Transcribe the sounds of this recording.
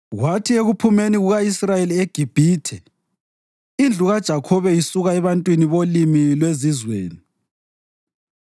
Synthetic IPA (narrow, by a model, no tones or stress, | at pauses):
ɣwatʰieɣupʰumeniɣuɣaisrajelieɡ̥ʱib̥ʱiːtʰɛ | ind͡ɮʱuɣad̥ʒ̥ʱakʰɔβɛisuɣaɛβantʼwiniβolimilwezizwḛːni